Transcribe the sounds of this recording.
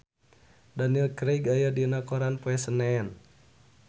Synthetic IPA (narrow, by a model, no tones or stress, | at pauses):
daniəlkɾeɡajadinakɔɾanpuɛsənɛɛn